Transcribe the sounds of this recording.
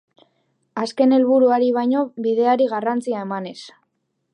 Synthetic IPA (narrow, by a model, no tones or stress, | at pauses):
aske̞ne̞lβuɾuaɾiβ̞ajɲo̞βiðe̞aɾiɣarant͡siae̞mane̞s